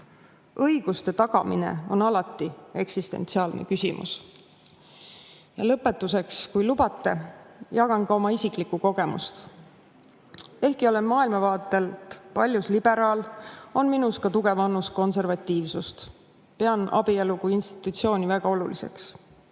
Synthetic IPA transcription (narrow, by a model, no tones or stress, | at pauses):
ɤjɡ̥ust̪e̞t̪ɑɡ̥ɑmḭnḛo̞̰nɑlɑt̪ːˑie̞ksist̪e̞̰nt̪siɑːlnḛkysimʔṵs | jɑlɤpːˑe̞t̪ːˑus̬e̞kskujlubɑt̪ːˑe̞jɑɡɑnkɑo̞mɑisiklikːuko̞ɡ̥e̞mṵst̪ | e̞hkio̞le̞nmɑːilmɑvɑːt̪ːˑe̞lt̪pɑlʲjuslib̥e̞ɾɑːlo̞nminuskɑt̪uɡ̥e̞vɑnːus̚ko̞nse̞rvɑt̪ʲːˑiːvsust̪ | pe̞ɑnʔɑ̰bie̞lukujinst̪i̥t̪ːˑut̪sio̞ːnʲivæɡ̥ɑo̞lulise̞̰ks